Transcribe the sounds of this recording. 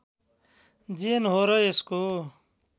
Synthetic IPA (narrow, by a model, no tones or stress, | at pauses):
d͡ʒienɦoːɾʌesko